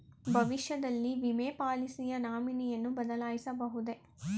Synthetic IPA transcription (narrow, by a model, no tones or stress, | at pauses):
bʱɐʋiʃjɐd̪ɐlːiʋimeːpaːlisijɐnaːminijɐnːubɐd̪ɐlaːjisɐbɐɦud̪e̞